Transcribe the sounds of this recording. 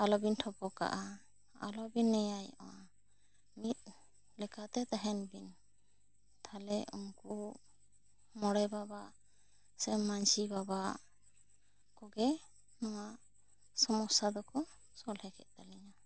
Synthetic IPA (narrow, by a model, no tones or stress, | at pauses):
alɔbinʈʰɔpɔka̰ʔa | a̰lɔbinːɛjajʔɔwa | mit̪̚ | lɛkat̪ɛt̪aɦɛnbin | t̪ʰalɛṵmku | mɔɽɛbabaʔ | sɛmmːansibaba | kɔɡɛ | nɔwaʔ | sɔmɔsad̪ɔkɔ | sɔlhɛkɛʔ̪̚ˀt̪aliɲa